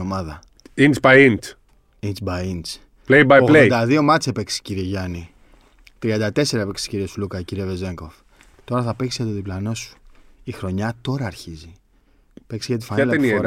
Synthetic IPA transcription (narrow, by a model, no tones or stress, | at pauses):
omɐðɐ | insbɐjins | int͡sbɐjint͡s | plejbɐjoɣled̪ɐðio̞mɐt͡sepeksi̥ciɾieʝɐni | t̪ɾiɐnd̪ɐt̪e̞se̞ɾɐepeksi̥ciɾiesulukɐciɾieveze̞ŋko̞f | t̪o̞ɾɐθɐpeksijɐt̪oðiplɐno̞su̥ixɾo̞ɲɐt̪o̞ɾɐːɾçizi | peksiʝɐt̪i̥fɐnilenɾ